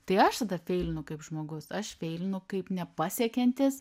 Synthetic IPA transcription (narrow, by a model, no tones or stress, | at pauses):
t̪ɐɪɐʃt̪ɐd̪ɐfʲɛɪlʲɪnʊkɐɪpʒmoːɡʊsɐʃfʲɛɪlʲɪnʊkɐɪpnʲɛpɑːsʲiɛkʲɛnʲt̪ʲɪs